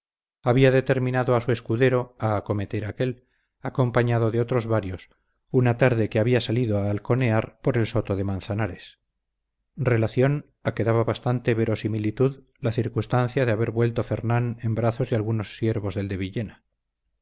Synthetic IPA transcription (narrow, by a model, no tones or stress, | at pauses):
aβiaðe̞t̪e̞ɾmĩnaðoasue̞skuðe̞ɾo̞aːko̞me̞t̪e̞ɾake̞l | ako̞mpaɲaðo̞ðeo̞t̪ɾo̞zβaɾjo̞s | unat̪aɾðe̞keaβiasaliðoaːlko̞ne̞aɾpo̞ɾe̞lso̞t̪o̞ðe̞mãnθanaɾe̞s | re̞laθjo̞n | ake̞ðaβaβast̪ant̪e̞βe̞ɾo̞similit̪uð | laθiɾkust̪anθjaðeaβe̞ɾβwe̞lt̪o̞fe̞ɾnane̞mbɾaθo̞zðealɣuno̞sːje̞ɾβo̞zðe̞ld̪e̞βiʎe̞na